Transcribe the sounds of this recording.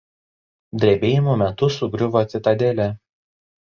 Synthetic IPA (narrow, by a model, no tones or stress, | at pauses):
d̪ʲɾʲebʲeːjɪmuːmʲɛt̪ʊsʊɡɾʲʊʋoːt̪ʲɪt̪ɐd̪ʲeːlʲɛ